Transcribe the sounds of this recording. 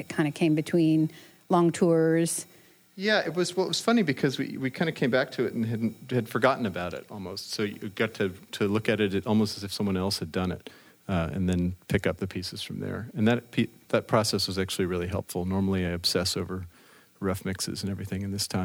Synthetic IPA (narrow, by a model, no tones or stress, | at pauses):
ɨt̚kʰãɪ̃ndɨkʰẽɪ̃mbɨtʰw̥ĩn | lɔ̃ŋtʰuɹz̥ | jæɪt̚wʌzwɛlˠɨt̚wʌz̥fʌnibɨkʰʌzwḭwikʰãɪ̃ndɨkʰẽɪ̃mbæk̚tʰɨɨɾn̩ɨdⁿn̩ɨd̥fə˞ɡɑʔn̩ɨbaʊɾɪ̰ɾɔ̰lˠmoʊstsoʊjɡ̥ɑtʰɨtʰɨlʊkɨɾɨɾɔlˠmoʊstɨzɨfsʌ̃mwʌ̃nɛlˠshɨdʌ̃nɪ̰ɾ | ɨ̰̃nðɨ̃npʰɪkʌp̚ðɨpʰisɨz̥fɹʌ̃mðə̰˞ɨ̃nðɨt̚pʰiðɨt̚pʰɹ̥ɑsɛswʌzæk̚t͡ʃʉl̩ˠiɹɪlˠiɦɛ̰lˠpfl̩ˠnɔɹml̩ˠiaɪɨb̥sɛsoʊvə˞ | ɹʌfmɪksɨ̰zɨ̃nɛvɹiθɪ̃ŋɨ̃nðɪstʰãɪ̃m